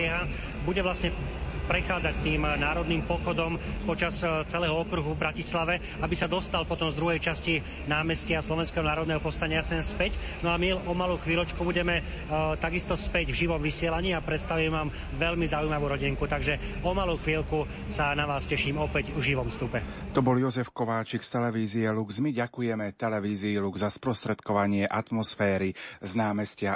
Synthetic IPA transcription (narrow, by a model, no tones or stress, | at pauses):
ɛɦa | buɟɛʋlasɲɛpɾɛxaːd͡zac̚t̪iːmnaːɾɔd̪niːmpɔxɔd̪ɔmpɔt͡ʃast͡sɛlɛːɦɔɔkɾuɦuvbɾacislaʋɛ | abisad̪ɔst̪alpɔt̪ɔmzd̪ɾuɦɛjt͡ʃasci | naːmɛsciaslɔʋɛnskɛːɦɔnaːɾɔd̪nɛɦɔpɔst̪aɲasɛnspɛc | nɔamiɔmaluwxʋiːlɔt͡ʃkubuɟɛmɛ | t̪aɡist̪ɔspɛɟvʒiʋɔmʋisɪɛlaɲiːapɾɛt̪st̪aʋimɛʋaːm | ʋɛʎmizaujmaʋuːɾɔɟiŋkut̪aɡʒɛɔmaluːxʋiːlku | sanaʋaːscɛʃiːmɔpɛɟvʒiʋɔmfst̪upɛt̪ɔbɔljɔzɛfkɔʋaːt͡ʃikst̪ɛlɛʋiːziɛluɡzmiɟakujɛmɛt̪ɛlɛʋiːziːluɡzaspɾɔst̪ɾɛt̪kɔʋaɲɪɛʔat̪mɔsfɛːɾiznaːmɛscɪa